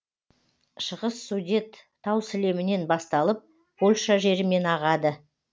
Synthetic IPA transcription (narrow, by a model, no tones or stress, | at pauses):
ʃəʁəsːud̪ʲe̞t̪ʰːɑwsɪle̞mɪne̞nbɑst̪ɑlˠəp̚ | b̥olʲˠʃɑʒe̞ɾɪme̞nɑʁɑd̪ə